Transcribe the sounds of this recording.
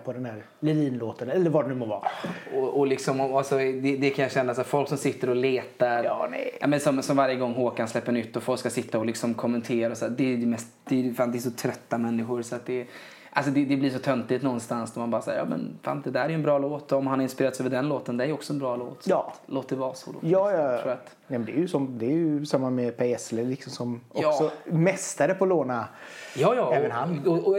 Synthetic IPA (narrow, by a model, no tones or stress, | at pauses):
pʰɔd̪ɛnd̪æɾ | lɛviːnloːt̪ənɛlːəɾvaɖɛnʉmɔvɑ̰ːɔʔɔlɪksɔmɔalsɔd̪ɛd̪ɛkʰãnjaɕɛnːasafɔlksɔmsɪt̪ːəɾɔleːt̪aɾjnɛ̰a̰ːmɛnsɔmsɔmvaɾjəɡɔŋːɦoːkanslɛpːəɳʏt̪ːɔfɔlkskasɪt̪ːaɔlɪksɔmkʰɔmːɛnt̪ʰeːɾaɔsæːd̪ɛæjd̪ɛmɛst̪d̪̥ɛfaːnd̪ɛːʂɔt̪ʰɾœt̪ːamɛnːɪɧʊɾsɔat̪̚d̪ɛ | ʔals̬ɔd̪ɛd̪ɛblɪʂɔt̪ʰœnt̪lɪt̪nɔnst̪ansnɔmanbɑːɾasa̰ːjɑ̰ːmɛ̰nfa̰ːnd̪ɛd̪æːɾæɾjʉɛnbɾɑːloːt̪ɔɔmhanhaɾɪnspɪɾeːɾt̪sɛɛːvəɖɛnloːt̪ənd̪ɛæɾjɔksɔɛnbɾɑːlo̰ːt̪ːloːt̪d̪ɛvɑːso̰ːd̪o̰ːjɑːjaɾuːɾat̪ | nɛmɛnd̪ɛjʉsɔmd̪ɛjɵsamːamɛpʰɛɛsləlɪksɔmsɔmɔkssɔmɛst̪aɾəpʰɔloːnajɑːjɑɛːvənhanɔɔ